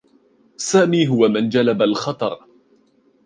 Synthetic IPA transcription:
saːmiːɦʊwamand͡ʒalabalxɑt̪ˤɑ̰ɾˤ

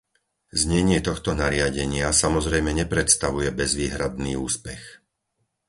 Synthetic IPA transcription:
zɲɛɲɪɛt̪ɔxt̪ɔnaɾɪaɟɛɲɪasamɔzɾɛjmɛɲɛpɾɛt̪st̪aʋujɛbɛzʋiːɦɾad̪niːuːspɛx

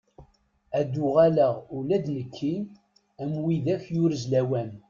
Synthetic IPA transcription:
æd̪ʊʁæləʁulæd̪nəkʰːin | æmwiðæfjʊɾzlæwæn

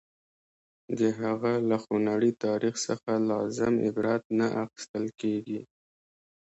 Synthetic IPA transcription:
d̪əɦaɣalaxonaɽit̪ɑɾixsəxalɑzɪmɪ̰bɾɑt̪̚naʔaxɪ̥st̪əlkeɡi

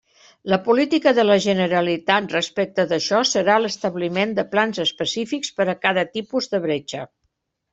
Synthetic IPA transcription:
ləpulit̪ikəðələʒənəɾəlit̪at̪̚rəspɛk̚t̪əðəʃɔsəɾaləst̪əβlimend̪əplanzəspəsifikspəɾəkaðət̪ipuzðəβɾet͡ʃə

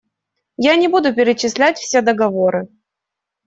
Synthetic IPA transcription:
janʲɪbud̪ʊp̬ʲɪɾʲɪt͡ɕːɪsʲlʲætʲfsʲe̞d̪əɡɐvo̞ɾɨ

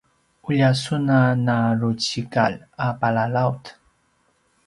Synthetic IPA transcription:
uʎasunanaɾut͡ɕikaʎapalalawt

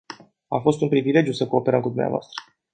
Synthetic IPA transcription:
afo̞st̪unpɾivile̞d͡ʒjusəko̞ːpe̞ɾəmkud̪umnea̰voa̰st̪ɾə̥

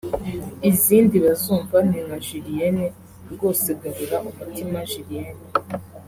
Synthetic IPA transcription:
iziːndiβazuːɱvan̥eŋɡaʒiɾijene | ɾɡoseɡaβuɾaʔumutʰimaʒiɾijene

